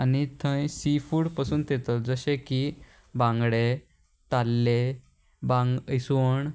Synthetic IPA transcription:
anit̪ʰə̃jsifuːɽpasuːnt̪et̪ɔt̪̚d͡zəɕeki | bãŋɡɽe | t̪alːe | bãŋɡisuɳ

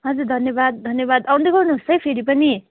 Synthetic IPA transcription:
ɦʌd͡zurd̪ʱʌnjʌbad̪̚d̪ʱʌnjʌβad̪aw̃nd̪eɡʌrnuɦust͡sʰʌjpʰeɾipʌni

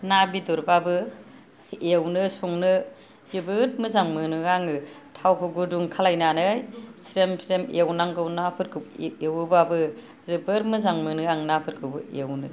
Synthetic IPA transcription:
nabiduɾbabɯ | ewnɯsuŋnɯ | zɯbɯɾmɯzaŋmɯnɯaŋɯtʰawkʰɯɡuduŋkʰalajnanɯjsɾemsʰɾemewnaŋɡɯwnapʰɯɾkʰɯewbabɯ | zɯbɯɾmɯzaŋmɯnɯaŋnapʰɯɾkʰɯbɯewnɯ

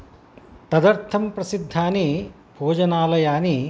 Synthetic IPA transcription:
t̪ɐd̪ɐɾt̪ʰɐmpɾɐsid̪ʱːaːni | bʱoːd͡ʒɐnaːlɐjaːni

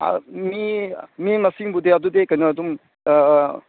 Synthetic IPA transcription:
mimimɐsiŋbudeɐdudekajnɐɐdum

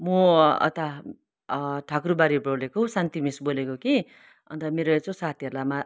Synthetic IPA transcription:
moʌ̰t̪a | ʈʰakrubaɾibolekosant̪imisbolekoki | ʌ̰nt̪ʌmeɾot͡sõsat̪ʰiɦʌɾlama

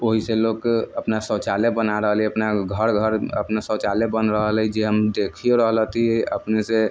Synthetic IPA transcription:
oɦiselokəpnasət͡ʃalebənaɾəɦəliəpnaɡʱəɾɡʱəɾə̰pnasət͡ʃalebənɾəɦlid͡ʒeɦəmd̪ekʰijoɾəɦlət̪iəpnese

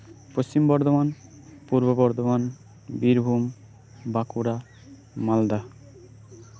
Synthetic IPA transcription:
post͡ɕimbɔɾd̪oman | puɾbobɔɾd̪oman | biɾbʱum | bakuɾa | mald̪a

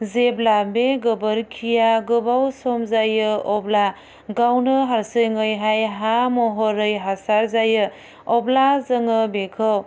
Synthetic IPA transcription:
zeblabeɡɯbəɾkʰijaɡɯbawsɔmzajɯɔbla | ɡawnɯɦaɾsɯjŋɯjɦajɦamɔɦɔɾɯjɦasaɾzajɯ | ɔblazəŋɯbekʰɯw

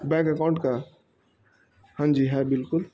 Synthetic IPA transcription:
bɛ̃kəkaʊ̃ɳʈka | hãnd͡ʒiɦɛbɪlkʊl

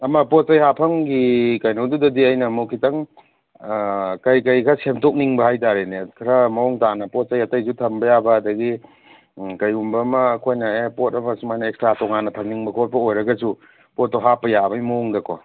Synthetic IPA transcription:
ɐmɐpot̚sɐjhapʰɐŋɡikajnowdudɐdiɐjnɐmukʰitɐŋ | kɐjkɐjkʰɐsemtok̚niŋbɐhajt̬aɾenekʰɐɾɐmɐŋtanɐpot̚sɐjɐtɐjzutʰɐmbɐjabɐːdɐɡi | kɐjumbɐmɐːkʰojnɐepot̚ɐmɐsumajnɐekstɾatɔŋanːɐtʰɐmniŋbɐkʰot̚pʰɐojɾɐɡɐsu | pot̚ːoɦapɐjabajmoŋdɐkɔ

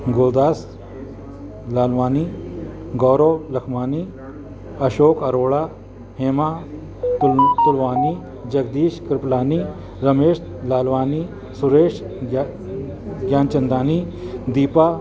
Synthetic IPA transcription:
ɡoːd̪aːs | laːlʋaːni | ɡɔːɾolɐkʰmaːniː | ɐʃoːkɐɾoːɭaː | heːmaː | t̪ʊlʋaːniː | d͡ʒɐɡd̪iːʃkɾɪplaːniː | ɾɐmeːʃ | laːlʋaːniː | sʊɾeːʃ | ɡjaːnt͡ʃɐnd̪aːnid̪iːpaː

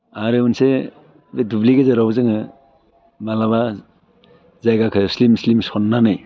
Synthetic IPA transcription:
aɾeunse | bedubliɡezɯɾawzɯŋɯ | malaβa | zajɡakʰɯslimslimsɔnːanɯj

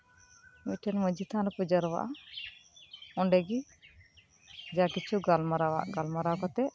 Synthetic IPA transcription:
miʈʰɛnməd͡ʒit̪ʰanɔpud͡ʒaɾwa̰ʔa̰ | ɔɳɖɛɡi | d͡ʒakit͡ʃʰuɡalmaɾawa̰ʔɡalmaɾakɔt̪ɛʔ

